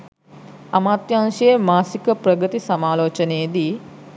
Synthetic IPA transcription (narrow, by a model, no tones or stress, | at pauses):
amaːt̪jaŋʃijemaːsikəprəɡət̪isamaːloːt͡ʃənejed̪iː